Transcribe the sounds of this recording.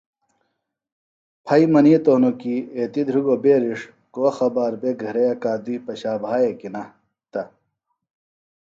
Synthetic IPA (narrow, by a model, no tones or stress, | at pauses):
pʰɐimɐniet̪oːnokieːt̪id̪ʱɾuɡobeːɾiʂ | koːxɐbaːɾbeɡʱɐɾejɐkaːd̪ipɐɕaːbʱaːjekinɐ | t̪ɐ